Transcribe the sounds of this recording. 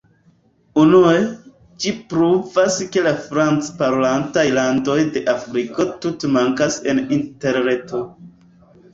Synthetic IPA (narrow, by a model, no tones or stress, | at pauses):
unue̞ | d͡ʒipɾuvaske̞lafɾant͡spaɾolantajlando̞jde̞ʔafɾiko̞tutemaŋkase̞ninte̞ɾne̞to̞